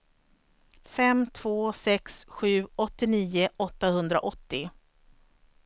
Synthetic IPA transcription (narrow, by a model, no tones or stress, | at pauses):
fɛmt̪ʰv̥oːsɛksɧʉ̟ːɔt̪ːɪniːʊɔt̪ːahɵnd̪ɾa̰ʔɔt̪ːɪ